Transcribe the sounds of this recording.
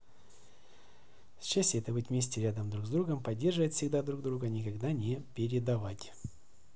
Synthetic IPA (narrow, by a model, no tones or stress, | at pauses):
sɕasʲtʲɪɛt̪əbɨtʲvmʲesʲtʲɪɾʲad̪əmd̪ɾuɡzd̪ɾuɡəmpɐdʲːe̞rʐɨvətʲfsʲɪɡd̪ad̪ɾuɡd̪ɾuɡənʲɪkɐɡd̪anʲɪpʲɪɾʲɪd̪ɐvatʲ